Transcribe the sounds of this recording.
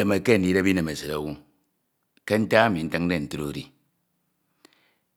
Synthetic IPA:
e˨me˨ke˦˨n̩˦di˦ɾe˦bi˦ne˨me˨sɨ˨ɾa˨˦wu˦ | ke˦n̩˦ta˦a˦mi˨n̩˦tɨ˦ŋ˦de˦˨n̩˨tɨ˦ɾo˦ɾi˦

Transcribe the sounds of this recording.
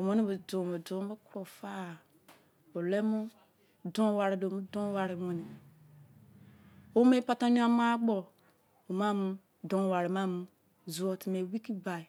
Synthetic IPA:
o˨mo˦ni˦bi˨do˨o˨do˨˦bo˦ku˦ɾo˨fa˦˨ | o˨le˦mu˦ | dõ˦wa˨ɾi˨do˨mu˦dõ˦wa˨ɾi˨mo˨ni˨ | o˦me˦pa˦ta˦ɲu˦a˦ma˦ɡ͡bo˨ | o˨ma˦mu˦ | do˦˨wa˨ɾi˨ma˦mu˦ | zu˨o˨ti˨me˨wi˦ki˦ba˨i˨

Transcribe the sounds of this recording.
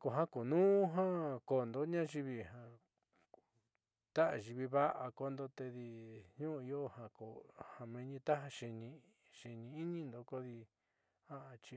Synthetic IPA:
ko˨ɦã˦ko˨nũː˦ɦã˦ko˧˨nd̪o˦ɲã˦ʒi˧βi˧hã˧ | t̪a˦ʔa˧˨ʒi˧βi˧βa˦ʔa˧ko˧nd̪o˧t̪e˧ði˧ɲũ˦˧i˧˦o˦hã˧ko˨hã˨˧mẽ˧ɲĩ˧t̪a˦ɦa˧ʃe˧nĩ˧ | ʃe˧nĩ˧i˦nĩ˦nd̪o˧ko˦ði˧ | ha˦a˧t͡ʃi˧

